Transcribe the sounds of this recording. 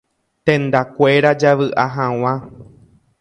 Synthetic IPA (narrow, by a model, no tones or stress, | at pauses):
t̪ẽnd̪akʷe̞ɾad͡ʒaʋɨʔaɦãw̃ã